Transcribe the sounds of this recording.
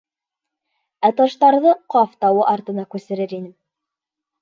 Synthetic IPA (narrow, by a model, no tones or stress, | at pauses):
æt̪ɑʃt̪ɑɾðɤqɑft̪ɑwɤʔɑɾt̪ɤ̆nɑkʉsɘ̆ɾɘɾinɘm